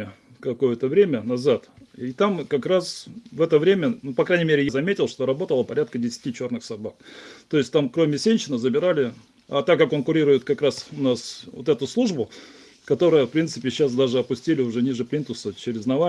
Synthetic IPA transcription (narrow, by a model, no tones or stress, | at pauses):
ɪ | kɐko̞jət̪əvɾʲemʲənɐzat̪it̪amkɐkɾasvɛt̪əvɾʲemʲənupɐkɾajnʲɪmʲeɾʲɪjzɐmʲetʲɪlˠʂt̪oɾɐbo̞t̪əlˠəpɐɾʲat̪kədʲɪsʲɪ̥tʲit͡ɕo̞rnɨxsɐbak̚t̪o̞ɪsʲt̪amkɾo̞mʲɪsʲenʲɕɪnəzəbʲɪɾalʲɪ | a̰t̪akːako̞nkʊɾʲiɾʊjɪt̪kɐkɾasʊnasvo̰t̪ɛt̪ʊslˠuʐbʊ | kɐt̪o̞ɾɨjəfpɾʲint̪sɨpʲɪɕːas̬d̪aʐɨɐpʊsʲtʲilʲɪʊʐɛnʲiʐɨpɾʲint̪ʊsət͡ɕɪɾʲɪznɐva